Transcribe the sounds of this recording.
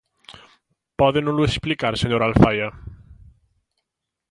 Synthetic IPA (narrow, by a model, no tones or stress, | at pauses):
pɔðenʊlʊesplikaɾseɲoɾalfaja